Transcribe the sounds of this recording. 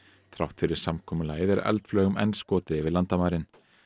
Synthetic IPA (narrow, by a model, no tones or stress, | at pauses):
θʰɾawht̪fɪɾɪɾ̥samkʰɔːmʏlaːjɪðɛɾɛ̰lt̪flœːɣʏmɛ̰nskɔːt̪ɪɪvɪɾlant̪amaːɾɪn